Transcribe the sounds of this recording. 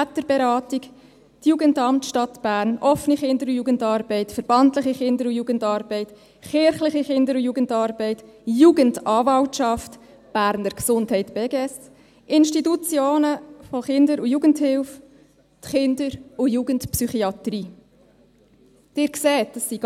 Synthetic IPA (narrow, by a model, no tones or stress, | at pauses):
æt̪əɾbɛɾɑːtiɡ | tjuːɡəndɑmtʃtɑt̪b̥æːɾnʔɔfniχɪndəɾʊjuːɡəndɑːɾbɛɪtfəɾb̥ɑntləχiχɪndəɾʊjuːɡəndɑːɾb̥ɛɪt | χɪɾχlɪχiχɪndəɾʊjuːɡəntɑːɾbɛɪtjuːɡəndɑːvɑltʃɑft | b̥æːɾnəɾksʊndɦɛɪtbeːɡeɛs | ʔɪnʃtitut͡sjoːnəfoχɪndəɾujuːɡənthɪlf | tχɪndəɾʊjuːɡəntpsyχiɑt̪ɾiː | d̥ɪːɾksɛːtd̥əsːiɡ